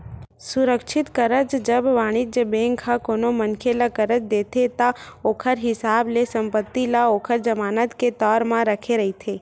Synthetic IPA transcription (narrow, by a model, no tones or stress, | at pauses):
sʊɾəkʃɪt̪kəɾəd͡ʒd͡ʒəbʋaːɽ̃ɪd͡ʒəbẽŋkʰãkonomənkʰeləkəɾət͡ʃd̪eːt̪ʰet̪aoːkʰəɾɦɪsaːblesə̃mpət̪ːilaoːkʰəɾd͡ʒəmaːnət̪ket̪ɔːɾmãɾəkʰeɾəɦit̪ʰeː